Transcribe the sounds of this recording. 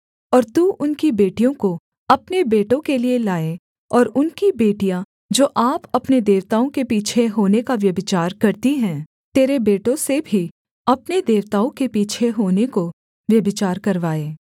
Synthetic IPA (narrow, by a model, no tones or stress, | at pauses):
ɔːɾt̪uːʔʊnkibeːʈijõko | ɐpnebeːʈõkelielaːe | ɔːɾʊnkibeːʈijã | d͡ʒoːʔaːpɐpned̪eːʋt̪aːõkepiːt͡ʃʰeɦoːnekaʋjɐbɪt͡ʃaːɾkɐɾt̪iɦɛ̃ː | t̪eːɾebeːʈõsebʱi | ɐpned̪eːʋt̪aːõkepiːt͡ʃʰeɦoːneko | ʋjɐbɪt͡ʃaːɾkɐɾʋaːeː